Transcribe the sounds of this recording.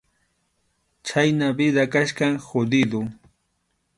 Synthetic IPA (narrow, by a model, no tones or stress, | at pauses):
t͡ʃajnabɪd̪akaʃkaŋxod̪ɪd̪ʊ